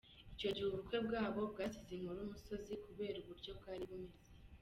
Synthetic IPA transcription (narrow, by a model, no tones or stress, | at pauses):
ico̞ɟihuβuɾukwe̞bɡaːβo̞b̚ɡaːsiziŋuɾumuso̞zikuβe̞ːɾuβuɾɟo̞b̚ɡaːɾiβume̞ze